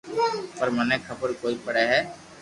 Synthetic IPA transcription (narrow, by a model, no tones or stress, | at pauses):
pɐɾmanekʰɐbəɾkoːipɐɽɛɦɛː